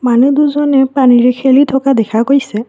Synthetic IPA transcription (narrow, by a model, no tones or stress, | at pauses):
manuduzɔnɛpaniɹɛkʰelitʰɔkadɛkʰakojsɛ